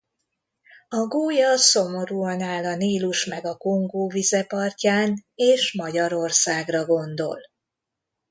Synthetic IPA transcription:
ɒɡoːjɒso̞mo̞ɾuɒnaːlɒniːluʃmɛɡɒko̞ŋɡoːvizɛpɒrcaːneːʃmɒɟɒɾo̞rsaːɡrɒɡo̞nd̪o̞̰l

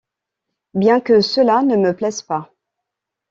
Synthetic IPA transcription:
bjɛ̃kəsəlanəməplɛspa

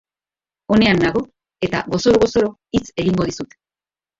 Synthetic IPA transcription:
o̞ne̞anːaɣo̞ | e̞t̪a̰ɣo̞so̞ɾoɣo̞so̞ɾo̞ | it͡se̞ɣiŋɡo̞ðisut̪e̥

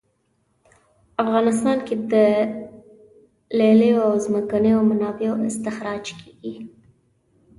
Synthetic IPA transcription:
afɣɑnɪs̬t̪ɑnked̪ə | leləjoawzməkanəjawmanɑbejoʔɪst̪ɪxɾɑd͡ʒkʰeɡi

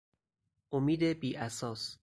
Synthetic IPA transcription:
ʔomiːd̪ebiːʔæsɒːs

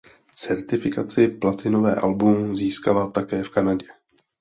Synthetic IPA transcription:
t͡sɛɾt̪ɪfɪkat͡sɪplat̪ɪno̞vɛ̰ːʔalbumziːskalat̪akɛːfkanaɟɛ

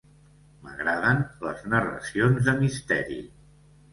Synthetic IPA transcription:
məɣɾaðənləznərə̰sionzðəmist̪ɛ̰ɾḭ

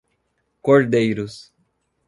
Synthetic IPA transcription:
koɾd̪ejɾʊs

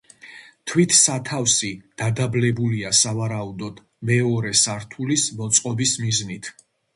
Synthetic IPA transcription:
t̪ʰwit̪ʰsat̪ʰafsid̪̥ad̪ablɛbuliasavaɾaud̪ɔd̪̥ | mɛɔɾɛsaɾt̪ʰulismɔt̪sʼqʼɔbismiznit̪ʰ

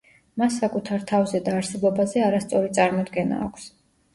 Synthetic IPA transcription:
masːakʼut̪ʰaɾt̪ʰavzɛd̪aːɾsɛbɔbazɛaɾast̪sʼɔɾit̪sʼaɾmɔd̪ɡɛna̰ːkʷʰs

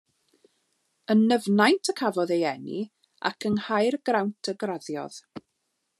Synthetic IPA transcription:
ənːəvnajntʰəkʰavɔðejɛnḭ | a̰kʰənhajrɡrawntʰəɡraðjɔ̰ð̥

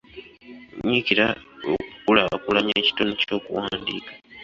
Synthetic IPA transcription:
ɲiciɾao̰kukulakulaɲaci̥tonoco̞ːkuwaːndikḁ

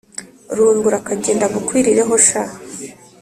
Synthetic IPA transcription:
ɾuːŋɡuɾakaɟe̞ːndaɡukwiːɾiɾe̞ɦo̞ʃa

